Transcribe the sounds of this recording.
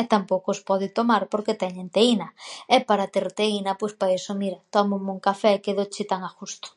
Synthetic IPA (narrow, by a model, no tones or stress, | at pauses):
ɛt̪ampowkoospɔðɪt̪omaɾpoɾket̪ɛɲent̪einɐɛpaɾat̪eɾt̪einɐpojspaesomiɾɐt̪ɔmʊmuŋkafɛkeðot͡ʃɪt̪aŋaxust̪ʊ̥